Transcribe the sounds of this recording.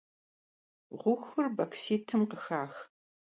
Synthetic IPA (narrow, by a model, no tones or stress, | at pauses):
ʁʷʊxʷɨrbɐkʰsiːtʰɨmqəxaːx